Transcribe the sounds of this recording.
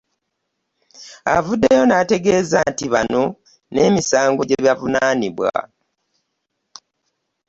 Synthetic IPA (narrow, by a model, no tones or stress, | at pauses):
a̰vudːejo̞nate̞ɡe̞ːzantiβano̞ | ne̞ːmisaːŋɡo̞ɟe̞βjavunaːniβwa̰